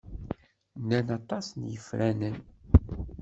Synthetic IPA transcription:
nːænɑt̪ˤɑsnjəfɾænən

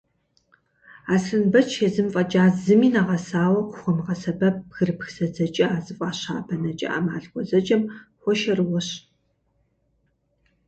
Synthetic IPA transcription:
aːsɨnbɐt͡ʃʰezɨmfʼɐt͡ʃʼaːzɨmiːnɐʁɐsaːwɐqʷʊχʷɔmʁɐsɐbɐɣɨrpxsɐd͡zɐt͡ʃʼɐaːzɨfʷʼɑːɕaːbɐnɐt͡ʃʼɐ̰ʔɐ̰maːɮɡʷʼɔzɐt͡ʃʼɐmxʷɔʃɐrɨwɔɕ

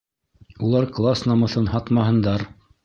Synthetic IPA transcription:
ulˠɑɾklˠasnɑmɤ̆θɤnhɑt̪mɑɦɤ̆nd̪ɑɾ

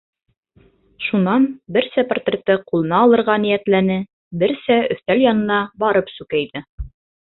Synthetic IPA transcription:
ʃunɑnbɘɾsæport̪rʲet̪ɤqulˠɤ̆nɑːlˠɤ̆ɾʁɑnijæt̪lænɘ | bɘɾsæɵ̆θt̪æljɑnɤ̆nɑbɑɾɤpsʉkæjðɘ

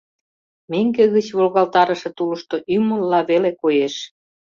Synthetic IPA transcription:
meŋɡeɣət͡ɕβolɣɑlt̪ɑɾə̆ʃĕt̪uləʃt̪oʔyməlːɑβelekojeʃ

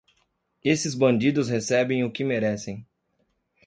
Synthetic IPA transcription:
esɪzbɐ̃nd͡ʒid̪ʊshesɛbẽj̃ʊkɪmeɾɛsẽj̃

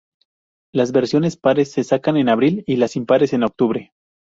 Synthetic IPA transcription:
lazβe̞ɾsjo̞ne̞spaɾe̞sːe̞sakane̞naβɾililasimpaɾe̞se̞no̞k̚t̪uβɾe̞

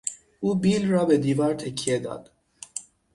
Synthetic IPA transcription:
ʔuːbiːlrɒːbed̪iːvɒːɾt̪ʰekʰːijed̪ɒ̰ːd̪̥

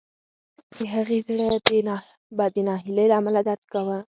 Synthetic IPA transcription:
d̪̥əɦaɣezɽə | bad̪ənɑɦɪləjlaamalad̪aɾd̪̚kawə

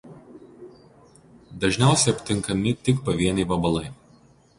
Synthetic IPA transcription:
d̪ɐʒʲnʲæˑʊsʲɛɪɐpʲt̪ʲɪŋˑkɐmʲɪt̪ʲɪkpɐʋʲiɛnʲɪʋɐbɐlˠɐɪ

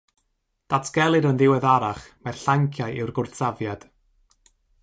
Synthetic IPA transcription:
d̥atʰɡ̥ɛlˠɨɾənðɪwɛðaɾaχmarɬaŋkʰjajɪwrɡʊrtsavjad̥

